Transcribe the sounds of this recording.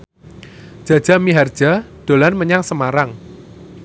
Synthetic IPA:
d̥ʒ̥ä̤̥ʒ̥ä̤miɦard̥ʒ̥a̤d̪̥o̤lanməɲaŋsəmaɾaŋ

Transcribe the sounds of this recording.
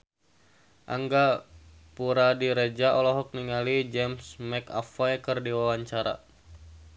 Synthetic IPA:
ʔa̰ŋɡa | puɾadiɾɛd͡ʒaʔɔlɔɦɔk̚niŋalid͡ʒɛmsmɛka̰fajkɨrdiwawaɲt͡ʃaɾa̰

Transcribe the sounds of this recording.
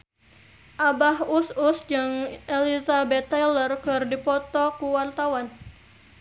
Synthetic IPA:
ʔabaɦususd͡ʒɨŋʔelizabɛt̪ːalərkɨrdipɔt̪ɔkuwart̪awan

